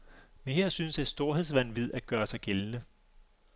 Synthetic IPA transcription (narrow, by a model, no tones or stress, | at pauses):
menɦeɐ̰synsæsd̥o̝ɐɦe̝ðˠsʋæn̰ʋið̞̰ˠæɡ̥ɶːɐsɑ̈ɪɡ̥elnə